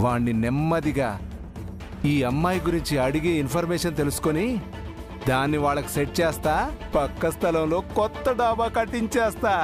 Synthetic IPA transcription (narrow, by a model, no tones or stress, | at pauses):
ʋaːɳːinemːɐd̪iɡaː | iːɐmːaːjɡuɾiɲt͡ʃiɐɽiɡeːinpʰɐɾmɛːʂɐnt̪e̞lusu̥koni | d̪aːnːiʋaːɭːɐku̥seʈ̚t͡ʃeːst̪aːpɐkːɐst̪ʰɐlɐmlo̞ːkɔt̪ːɐɖaːbaːkɐʈːiɲt͡ʃɛːst̪aː